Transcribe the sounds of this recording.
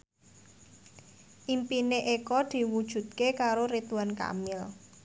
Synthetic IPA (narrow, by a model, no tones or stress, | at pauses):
ʔimpineʔekɔd̪̥i̤wud̥ʒ̥ṳt̪̚kekaɾoɾit̪uanka̰mɪl